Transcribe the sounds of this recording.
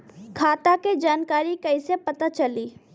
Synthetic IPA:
kʰaːt̪aked͡ʒaːnkaːɾikɐisepɐt̪at͡ʃɐliː

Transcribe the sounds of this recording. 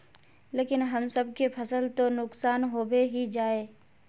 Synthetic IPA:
leːkɪnɦɐmsəb̚kepʰɐsəlt̪onʊksaːnɦoːbeɦid͡ʒaːeː

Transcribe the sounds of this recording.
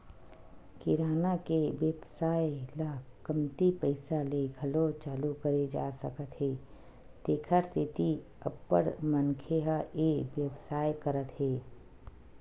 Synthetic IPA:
kɪɾaːnakeʋjəbsaːjlakəmt̪ipəɪsaleɡʱəlot͡ʃaːlukəɾed͡ʒa̰ːsə̰kət̪ɦeː | t̪eːkʰəɾsɪt̪i | ə̰bːə̰ɾmənkʰeɦaeʋjəbsaːjkəɾət̪ɦɛː

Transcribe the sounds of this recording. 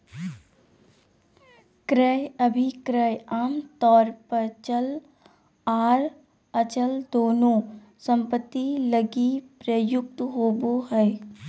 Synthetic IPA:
kɾəjəbʱikɾəjaːmt̪ɔːɾpəɾt͡ʃəl | aːɾ | ət͡ʃəld̪oːnõː | sə̃mpət̪ːiləɡipɾəjʊk̚t̪ɦoːboɦɛː

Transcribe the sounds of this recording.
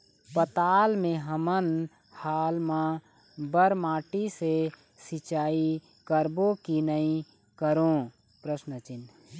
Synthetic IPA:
pət̪aːlmẽɦəmən | haːlmã | bəɾmaːʈise | sɪt͡ʃaːi | kəɾbokinəĩ | kəɾõ | pɾəsnət͡ʃɪn

